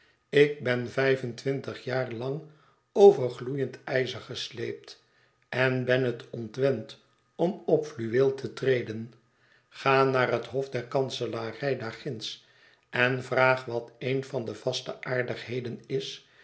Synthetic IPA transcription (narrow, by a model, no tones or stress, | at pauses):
ɪk̚bɛnvɛjvəntʋɪntəχjaːrlɑŋ | owvəɹχlujəntɛjzəɹχəslejp̚t | ɛnbɛnətɔntʋɛnt | ɔmɔpflyʋeːlˠtʰətrejdən | χaːnaːrɦətɦɔfdɛɹkɑnsəlarɛjdaχɪns | ʔɛnvraːχʋɑtejnvɑndəv̥ɑstəʔaːɹdəχɦejdənɪs